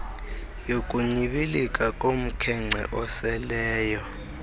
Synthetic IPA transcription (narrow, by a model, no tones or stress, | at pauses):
jokʼuɲiɓilikʼakʼom̩kʰɛŋ͡ǀʱɛ̰ʔɔsɛlɛːjɔ